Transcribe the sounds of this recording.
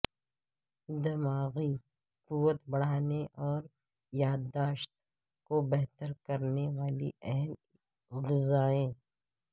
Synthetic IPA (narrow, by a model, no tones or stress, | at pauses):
d̪ɪmaːɣi | quwət̪bɐɽ̤aːneʔɔːɾ | jaːd̪ːaːʃt̪ | kobɛɦt̪əɾkɐɾneʋaːlḭɛɦɛm | ɣɪzaːẽː